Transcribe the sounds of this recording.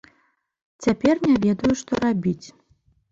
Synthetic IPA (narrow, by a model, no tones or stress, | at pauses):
t͡sʲapʲɛrnʲavʲɛd̪ɐjuʂt̪ɔɾabʲit͡sʲ